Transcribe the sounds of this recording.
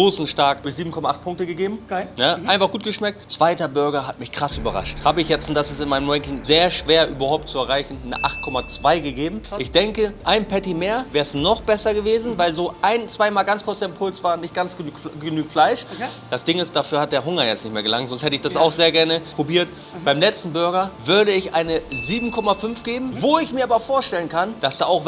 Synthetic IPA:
oːsn̩ʃtaɐkd̥ʊɐçziːbm̩kʰɔmaʔaχt̚pʰʊŋk̚təɡəɡeːbm̩naaɪnfaχɡ̥uːt̚ɡ̥əʃmɛk̚tt͡sv̥aɪtɐbʏɐɡɐɦatmɪçkʁ̥asʔyːbɐʁa̰ʃthaːbəɪçjɛt͡stʊnt̚d̥asɪstɪnmaɪnəmʁɛŋkɪŋzeːɐʃv̥eːɐʔyːbɐhaʊp̚tt͡suɛɐʁ̞aɪçn̩nəʔa̰χt̚kʰɔmat͡sv̥aɪɡəɡeːbm̩ʔɪçd̥ɛŋkəʔaɪnpʰɛtimeːɐvɛːɐsnɔχb̥ɛsɐɡəveːzn̩vaɪlzoːʔaɪnt͡sv̥aɪmaːlɡant͡skʰʊɐt͡seɐɪmpʰʊlsv̥aːnːɪçt̚ɡ̥ansɡ̥ənyːɡənyːɡ̩tflaɪʃd̥asd̥ɪŋɪstd̥afyːɐhat̚d̥eːɐɦʊŋɐjɛt͡stnɪçtmeːɐɡəlaŋtzɔnsthɛtəɪçd̥asaʊxz̥eːɐɡɛɐnəpʁ̥obiːɐt | b̥aɪmlɛt͡stn̩bʏɐɡɐvʏɐɾəɪçʔaɪnəziːbm̩kʰɔmafʏnfɡ̥eːbm̩voɪçmiːɐaːbɐfoːɐʃtɛlənkʰand̥asd̥aːaʊx

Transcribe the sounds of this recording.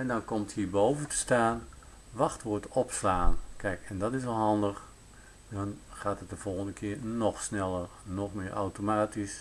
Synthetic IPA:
ɛndɑnkɔmthiːbowvəntə̥staːn | ʋɑxtʋʊːtɔpslaːnkɛjkɛndɑtɪsʋɔlˠɦɑndəχ | dɑnχaːtət̚dəv̥ɔlˠɣəndəkʰɪːɹnɔxsnɛlˠərnɔxmɪːəʔa̰wtomaːtis

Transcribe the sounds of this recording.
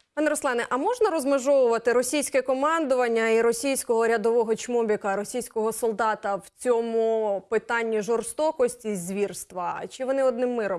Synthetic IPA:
pɑnɛɾɔslˠɛnɛʔɐmɔʒnɐɾɔzmɪʒɔʋʊʋɐt̪ɪɾɔsʲijsʲkɛkɔmɑnd̪ʊʋɐnʲːɐiɾɔsʲijsʲkɔɦɔɾʲɐd̪ɔʋɔɦɔt͡ʃmɔbʲikɐɾɔsʲijsʲkɔɦɔsɔlˠd̪ɑt̪ɐwt͡sʲɔmupɪt̪ɑnʲːiʒɔrst̪ɔkɔsʲtʲizʲʋʲirst̪ʋɐt͡ʃɪʋɔnɪɔd̪̚nɪmːɪɾɔm

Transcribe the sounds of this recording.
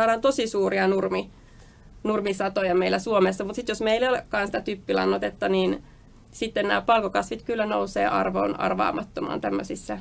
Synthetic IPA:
ɑːɾɑnt̪osisuːriɑnurmi | nurmisɑt̪ojɑmeilːˑæsuomesːɑmut̪sit̪josmeilolekkɑːnsi̥t̪æt̪ypːilɑ̰nːot̪et̪ːɑniːn | sit̪ːennæ̰ːpɑlkokɑsʋit̪kylːænousḛːʔɑ̰rʋo̰ːnɑ̰rʋɑ̰ːmɑt̪ːomɑ̰ːnt̪æmːøsisːæ

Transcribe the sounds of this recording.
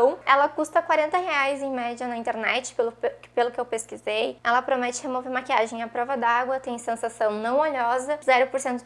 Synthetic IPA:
w̃ɛlɐkust̪ɐkwaɾẽnt̪ɐɦeajzẽj̃mɛd͡ʒɐnɐĩt̪eɾnɛt͡ʃɪ̥pelʊpelʊkɪewpeskizejɛlɐpɾomɛt͡ʃɪhemoveɾmakiaʒẽj̃ɐpɾɔvɐd̪aaɡwɐt̪ẽj̃sẽsasɐ̃w̃nɐ̃w̃oʎɔzɐzɛɾʊpoɾsẽnt̪ʊ

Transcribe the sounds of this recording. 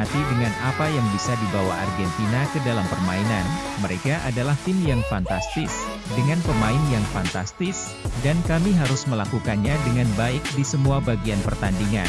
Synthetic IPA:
at̪idəŋanapajaŋbisadibawa̰a̰rɡɛnt̪inakədalampərmainan | məɾekaʔadalaht̪ɪmjaŋfant̪ast̪ɪs | dəŋanpəmaɪnjaŋfant̪ast̪ɪs | dankamiɦaɾʊsməlakukanɲadəŋanbaɪk̚disəmuabaɡianpərt̪andiŋa̰

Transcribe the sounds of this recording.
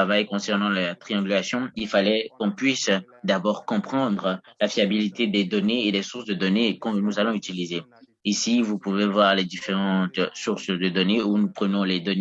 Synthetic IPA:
avajkɔ̃sɛʁnɑ̃lat̪χiɑ̃ɡʲylasjɔ̃ilfalɛkɔ̃pɥis | d̪abɔʁkɔ̃pχɑ̃d̪ʁəlafiabilit̪ed̪ɛd̪ɔneːd̪ɛsuʁsd̪əd̪ɔnekɔ̃nuzalɔ̃yt̪ilize | isivupuvevwaʁlɛd̪ifeʁɑ̃t̪suʁsd̪əd̪ɔneunupχənɔ̃lɛd̪ɔn

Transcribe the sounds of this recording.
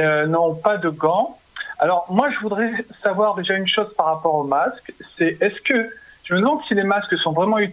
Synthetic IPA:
ønɔ̃pad̪əɡɑ̃ | alɔʁmwaʒəvud̪ʁɛsavwaʁd̪eʒaynʃozpaʁːapɔʁomasksɛʔɛskəʒ̥əməd̪əmɑ̃d̪silemasksɔ̃vʁɛmɑ̃y

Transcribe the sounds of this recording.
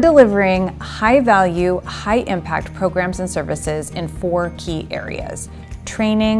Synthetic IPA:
dəlɪvə˞ɪ̃ŋ | haɪvælˠjʉhaɪʔɪ̃mpʰæ̰k̚t̚pʰɹ̥oʊɡɹæ̃mzɨ̃nsɜ˞vɨsɪzɨ̃nfɔɹkʰiʔɛ̰ɹḭɨ̰z̥ | tʰɹ̥ẽɪ̃nɪ̃ŋ

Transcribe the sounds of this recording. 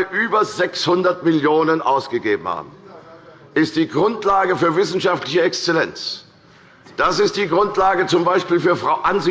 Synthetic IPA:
ʔyːbɐzɛkshʊndɐtmɪljoːnənʔaʊsɡ̥əɡeːbm̩ha̰ːb̚m̩ | ʔɪst̚d̥iːɡʁʊntlaːɡəfyːɐvɪsn̩ʃaftlɪçəɛkst͡sɛlɛnt͡s | d̥asɪst̚d̥iːɡʁʊntlaːɡət͡sʊmbaɪʃpiːlfyːɐfʁ̥aʊʔanzi

